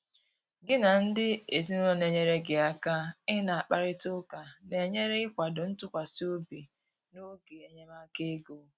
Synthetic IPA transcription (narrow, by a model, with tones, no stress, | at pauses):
ɡɪ˦na˨n̩˦dɪ˦e˨zi˦n˦o˦ne˨ɲe˨ɾe˦ɡɪ˨a˨ka˦ɪ˦na˨a˨k͡pa˦ɾɪ˦tʊ˦ka˨ne˨ɲe˦ɾe˦ɪ˦kʷa˨dʊ˨n̩˦tʊ˦kʷa˨si˦o˦bi˨ | no˦ɡe˨e˨ɲe˦ma˦ke˦ɡo˦